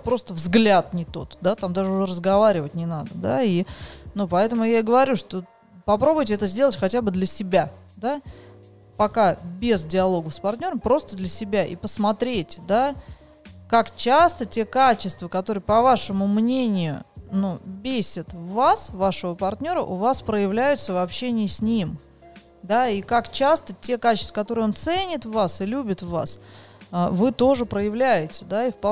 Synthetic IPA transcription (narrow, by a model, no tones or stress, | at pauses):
pɾo̞st̪əvzɡlʲat̪nʲɪt̪o̞̰t̪d̪at̪amd̪aʐɨʊʐɛrəzɡɐvaɾʲɪvətʲnʲɪnad̪əd̪a̰inupɐɛt̪əmʊjaɪɡəvɐɾʲuʂt̪o | pɐpɾo̞bʊjtʲɪɛt̪əzʲdʲelˠətʲxɐtʲabɨd̪lʲəsʲɪbʲa | d̪a | pɐkabʲezdʲɪɐlˠo̞ɡəfspɐrtʲnʲo̞ɾəmpɾo̞st̪əd̪lʲəsʲɪbʲaʔḭpəsmɐt̪ɾʲetʲd̪a | kakt͡ɕast̪ətʲe̞kat͡ɕɪst̪vəkɐt̪oɾɨjəpɐvaʂɨmʊmnʲenʲɪjʊ̰nubʲesʲɪt̪vvasvaʂəvəpɐrtʲnʲo̞ɾə̰ʔʊvaspɾəjɪvlʲæjʊt̪səvɐpɕenʲɪəsʲnʲim | d̪aikakt͡ɕast̪ətʲe̞kat͡ɕɪ̥st̪vəkɐt̪o̞ɾɨjo̞nt̪sɛnʲɪt̪vvasɨlʲubʲɪt̪vva̰s | əvɨt̪o̞ʐɨpɾəjɪvlʲæjɪtʲɪd̪aifp